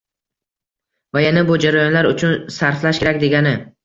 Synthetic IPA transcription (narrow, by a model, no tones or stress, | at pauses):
vajanabʊd͡ʒaɾajɒnlaɾʊt͡ʃʰʊnsaɾflaʃkʲʰe̞ɾakʲd̪e̞ɡʲanɪ